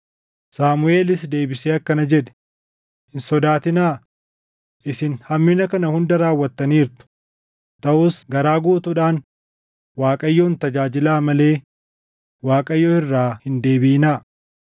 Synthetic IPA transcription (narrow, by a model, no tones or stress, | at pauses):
saːmʊe̞ːlɪsd̪e̞ːbɪseːɐkːɐnɐd͡ʒɛᶑɛ̥ | ɪnsɔd̪aːt̪ɪnaː | ʔɪsɪnhɐmːɪnɐkɐnɐhʊnd̪ɐɾaːwːɐt̪ːɐniːɾt̪ʊ̥ | t̪ɐʔʊːsɡɐɾaːɡuːt̪ʊᶑaːn | waːkʼɐjːoːnt̪ɐd͡ʒaːd͡ʒɪlaːmɐle̞ː | waːkʼɐjːoːhɪrːaːhɪnd̪e̞ːbɪɪnaː